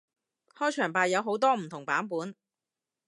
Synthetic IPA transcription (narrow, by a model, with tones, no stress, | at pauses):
hɔː˥jt͡ʃʰœː˨˩ŋpaː˨jːɐ˨˧wɦo˨˥wt̪ɔː˥m̩˨˩t̪ʰʊ˨˩ŋpaː˨˥npuː˨˥n